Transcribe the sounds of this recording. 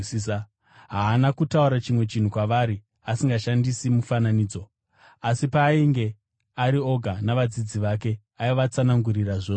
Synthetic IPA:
ɦaːnakutauɾat͡ʃimwe̞t͡ʃin̤ukwaʋaɾi | asiŋɡaʃandisimufananiːd͡zo̞ | asipaːiŋɡe̞ | aɾio̞ɡʱanaʋad͡zid͡ziʋake̞ | aiʋat͡sanaŋɡuriraʐoː

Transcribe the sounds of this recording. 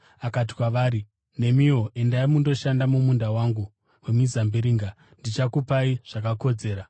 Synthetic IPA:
akat̬i̥kwaʋaːɾi | ne̞mio̞ʔe̞ndaimundo̞ʃandamumundawaŋɡu | wemizambiɾiːŋɡa | ndit͡ʃakupaiʐ̥akako̞d͡ze̞ːɾa

